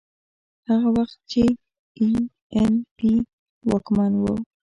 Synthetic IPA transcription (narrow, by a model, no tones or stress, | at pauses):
haɣawɑχt̪̚t͡ʃɪ | i | enpi | wakmanwa̰w